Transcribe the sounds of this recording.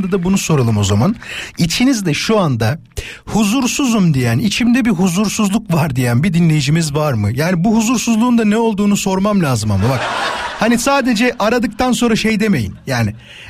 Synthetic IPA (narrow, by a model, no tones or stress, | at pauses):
d̪ad̪abunuso̞ɾalˠɯmo̞zamanit͡ʃʰinizd̪ɛʃuand̪a | huzuɾsuzumd̪ijænit͡ʃʰimd̪ɛbiɦuzuɾsuzlˠukvaɾd̪ijænbid̪inlʲe̞jid͡ʒimizvaɾmɯjaːnibuɦuzuɾsuzlˠuːnd̪anɛo̞lˠd̪uːnuso̞ɾmamlʲaːzɯmamabakhanisaːd̪e̞d͡ʒɛʔaɾad̪ɯk̚t̪ʰans̬o̞nɾaʃe̞jd̪e̞me̞jḭnjaːni